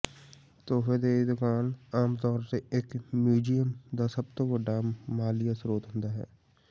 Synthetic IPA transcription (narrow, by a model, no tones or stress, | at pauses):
t̪oːfed̪eːid̪ʊkaːnaːmt̪ɔːɾseekmjuːd͡ʒijəmd̪asəb̚t̪õbəɖamaːlɪjasɾoːt̪ɦʊ̃nd̪aɦɛ̰ː